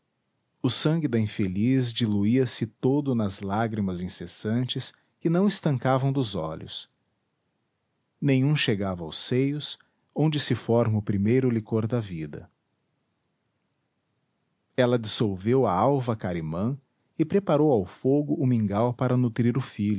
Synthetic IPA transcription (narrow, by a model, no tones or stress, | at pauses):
ʊsɐ̃ŋɡɪd̪ɐĩfelizd͡ʒiluiɐsɪt̪od̪ʊnɐzlaɡɾimɐzĩsesɐ̃nt͡ʃɪs | kɪnɐ̃w̃ɪst̪ɐ̃ŋkavɐ̃w̃d̪ʊzɔ̰ʎʔʊ̰s | nẽɲ̃ũʃeɡavɐa̰wsejʊs | õnd͡ʒɪsɪfɔɾmʊpɾimejɾʊlikoɾd̪ɐvid̪ɐ̰ | ɛlɐd͡ʒɪsolvewɐawvɐkaɾimɐ̃ | ɪpɾepaɾowawfoɡʊːmĩŋɡawpaɾɐnut̪ɾiɾʊfiʎʊ